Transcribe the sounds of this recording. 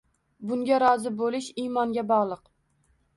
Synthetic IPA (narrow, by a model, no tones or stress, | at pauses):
bʊŋɡʲaɾɒzɪbolɪʃimɒŋɡʲabɒʁlˠɨq